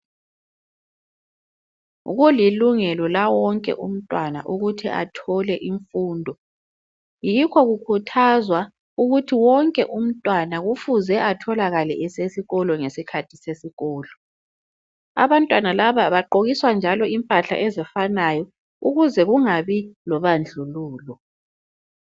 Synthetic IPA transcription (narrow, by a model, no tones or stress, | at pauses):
ṵɣuliluŋɛlɔlawɔŋkʼɛ̰ʔṵm̩tʼwana̰ʔuɣutʰḭʔa̰tʰɔlɛʔiɱfuːndʱɔ | jikʰɔɣukʰutʰazwa | uɣutʰiwɔŋkʼɛʔum̩tʼwanaɣufuzɛʔatʰɔlaɣalɛ̰ʔɛsesiɣɔlɔŋesikʰatʰi̥sesiɣɔːlɔ | a̰βantʼwanalaβaβaǃoɣiswand͡ʒʱalɔimpʼaɬa̰ʔɛzɛfanajɔ | uɣuzɛɣuŋaβilɔβand͡ɮʱuluːlɔ